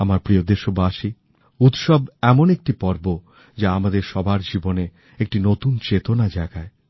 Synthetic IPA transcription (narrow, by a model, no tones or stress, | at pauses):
amaɾpɾiod̪eʃobaʃi | ut̪ʃɔbɛmonek̚ʈipɔɾbo | d͡ʑaamad̪eɾʃɔbʱaɾd͡ʑibone | ek̚ʈinot̪unt͡ɕet̪onad͡ʑaeɡae